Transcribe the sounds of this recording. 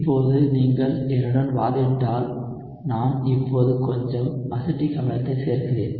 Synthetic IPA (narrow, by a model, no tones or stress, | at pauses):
pːoːðɯniːŋɡɐɭɛnɯɽɐnʋaːðɪɳɖaːl | naːmɪpːoːðɯkɔɲd͡ʒɔmʔɐsɯʈːikɐʋɐlɐt̪ːɐɪseːɾɣɪreːn